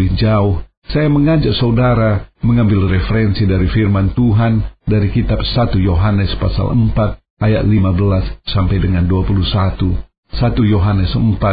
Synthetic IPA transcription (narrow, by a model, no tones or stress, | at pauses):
ɪhd͡ʒaʊh | sajaməŋad͡ʒak̚saudaɾaməŋambɪlrɛfəɾɛnsidaɾifirmant̪uɦandaɾikit̪ap̚sat̪ujoɦanəspa̰sa̰lə̰mpat̪̚ | aja̰t̪limabəlasːampajdəŋanduapuluhsat̪u | sat̪ujoɦanəsəmpa